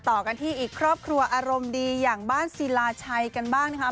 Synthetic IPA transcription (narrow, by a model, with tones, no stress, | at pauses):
t̪ɔː˨˩ka˧nt̪ʰiː˥˩ʔiː˨˩kʰɾɔː˥˩pp̚kʰɾu˧ɐʔaː˧ɾo˧mdiː˧jaː˨˩ŋbaː˥˩nsi˨˦laː˧t͡ɕʰa˧jka˧nbaː˥˩ŋna˦˥kʰa˦˥